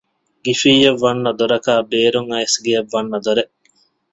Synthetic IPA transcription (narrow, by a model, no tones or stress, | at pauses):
ɡifiːjɐʋːɐnːɐd̪oɾɐkaːbeːɾuŋɐesɡiɐʋːɐnːɐd̪oɾeʔ